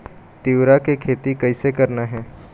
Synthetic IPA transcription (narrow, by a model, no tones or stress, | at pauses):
t̪iʋɾakekʰeːt̪ikɐɪsekɐɾnaɦɛː